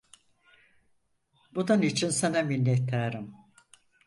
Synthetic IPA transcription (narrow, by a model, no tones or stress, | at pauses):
bununit͡ʃʰinsenɛminʲːɛt̪lːæɾim